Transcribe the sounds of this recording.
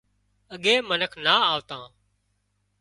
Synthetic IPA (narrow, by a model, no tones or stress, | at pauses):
əɠeːmənəkʰnaːaːʋt̪ãː